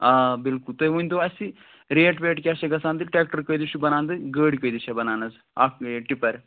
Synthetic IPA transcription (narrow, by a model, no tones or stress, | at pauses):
aːbilkult̪ɐʋunʲt̪oɐsi | ɾeːʈpeːʈkʲaːʃɐɡɐsaːnd̪ɨʈɾʲeːk̚ʈɐɾkəjd̪iʃubɐnaːnd̪ɨɡəːɽikəjd̪it͡ʃʰɐbɐnaːnɐz | akʈipɐɾ